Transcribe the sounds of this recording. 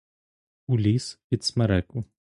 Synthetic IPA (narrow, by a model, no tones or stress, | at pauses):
ulʲispʲit̪smɛɾɛku